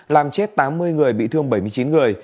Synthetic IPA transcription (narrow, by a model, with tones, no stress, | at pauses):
laː˨˩mt͡ɕe˦˥t̚t̪aː˨˦mːɨ˧əjŋɨ˨˩əjɓḭ˧˨t̪ʰɨ˧əŋɓə˧˩jmɨ˧ət͡ɕi˨˦nŋɨ˨˩əj